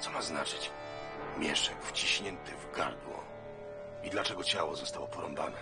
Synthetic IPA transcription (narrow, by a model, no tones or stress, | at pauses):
t̪sɔmaznat͡ʂɘt͡ɕ | mʲjɛʂɛkft͡ɕiɕɲɛnt̪ɘvɡa̰ɾd̪wɔ̰ | id̪lat͡ʂɛɡɔt͡ɕawɔzɔst̪awɔpɔɾɔmba̰nɛ